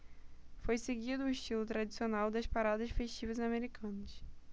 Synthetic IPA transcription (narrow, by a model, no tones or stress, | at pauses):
fojseɡid̪ʊʊiʃt͡ʃilʊt̪ɾad͡ʒisionawd̪ɐspaɾad̪ɐʃfeʃt͡ʃivɐzameɾikʰɐ̃nɐs